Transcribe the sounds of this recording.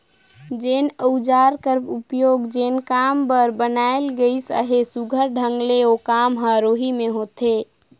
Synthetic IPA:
d͡ʒenəʊd͡ʒaɾkəɾpupjoɡd͡ʒenkambəɾbənaelɡəisə̰ɦesuɡʱəɾɖʱəŋɡleokamɦəɾoɦimeɦot̪e

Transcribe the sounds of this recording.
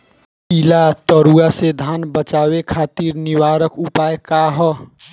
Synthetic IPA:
ilat̪əɾuased̪ʱanbət͡ʃaβekʰat̪iɾniwaɾəkupaekaɦɔ

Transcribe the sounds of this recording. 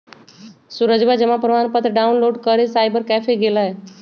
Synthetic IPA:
suɾəd͡ʒbad͡ʒəmapɾəʋaːnpət̪ɾəɖaːunloːɖkəɾesaːɪbəɾkɛfeɡelaɦe

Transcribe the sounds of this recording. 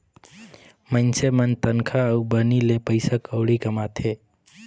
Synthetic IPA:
mənsemənt̪ənkʰaəubənilepəɪsakəwɽikəmat̪ʰeː

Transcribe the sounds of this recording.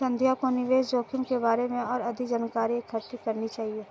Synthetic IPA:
sɐ̃nd̪ʱjakonɪʋeːsd͡ʒoːkʰɪmkebaːɾemẽɔːɾɐd̪ʱid͡ʒənkaːɾiekʰɐɾt̪ikɐɾnit͡ʃaːɦieː

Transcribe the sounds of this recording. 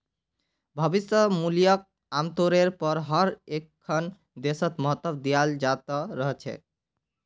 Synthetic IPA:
bʱʌbisəmulijʌk̚ | amt̪oɾeɾpɔɾɦʌɾekʰːʌn | d̪esʌt̪mɔɦʌt̪ːɔbd̪ijald͡ʒat̪ɔɾʌɦt͡ʃʰɛ̰

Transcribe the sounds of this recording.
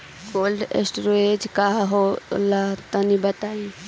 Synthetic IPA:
koːlɖḛsʈɾoed͡ʒkaɦo̰lat̪ɐnibɐt̪aːĩ

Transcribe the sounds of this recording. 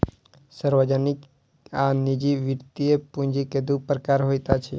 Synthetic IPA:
səɾʋəd͡ʒənɪk | anid͡ʒiʋɪɾt̪iepũɲd͡ʒiked̪upɾəkaːɾɦojt̪at͡ʃʰɛ̰

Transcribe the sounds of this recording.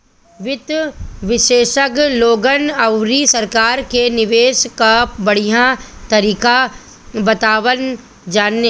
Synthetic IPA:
ʋɪt̪ʋɪʃeːʃəkloːɡənɐwɾisɐɾkaːɾkenɪʋeːʃkabɐɽijãt̪ɐɾiːka | bɐt̪aːʋən | d͡ʒaːne

